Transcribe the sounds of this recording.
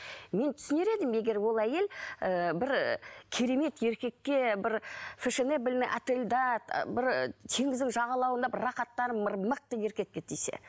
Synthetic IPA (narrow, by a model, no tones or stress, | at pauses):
me̞nt̪ʰʏ̥sɪne̞ɾe̞d̪ɪmje̞ɡʲe̞ɾwo̞lˠæje̞ləbɪɾkʲʰeɾe̞me̞t̪je̞ɾkʲe̞kːʲe̞bɪɾfɪʃenebɪlnɪŋʔa̰t̪e̞lʲd̪ɑt̪bɪɾt̪ʰe̞ŋɪzd̪ɪŋʒɑʁɑlˠɑwənd̪ɑbɪrːɑχɑt̪ːɑɾəməɾməq̚t̪əje̞ɾkʲe̞t̪̚kʲe̞t̪ejse̞̰